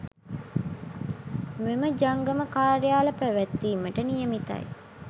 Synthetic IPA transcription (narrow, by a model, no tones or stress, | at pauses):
meməd͡ʒaŋɡəməkaːɾjaːlɐpæʋæt̪ːiːməʈənijəmit̪ɐ̰j